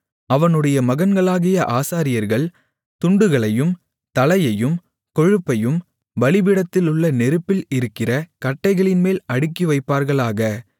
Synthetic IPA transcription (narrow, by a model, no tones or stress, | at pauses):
ɐʋɐnɯɽɐjɐmɐɣɐnɡɐɭaːɣɪjɐʔaːsaːɾɪjɐɾɣɐɭ | t̪ʊɳɖɯɣɐɭɐjɯm | t̪ɐlɐjɐjɯm | kɔɻɯpːɐjɯm | ʋɐɭɪʋɪɽɐt̪ːɪlʊɭːɐnɛɾɯpːɪlɪɾɯkːɪrɐkɐʈːɐɪɣɐɭɪnmeːlɐɽɯkːiʋɐɪpːaːɾɣɐɭaːɣɐ